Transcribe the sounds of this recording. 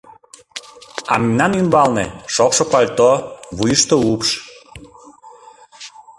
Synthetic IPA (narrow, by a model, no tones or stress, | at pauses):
ɑ̰minɑnymbɑlnḛʃokʃokɑlʲt̪oβujəʃt̪oupʃ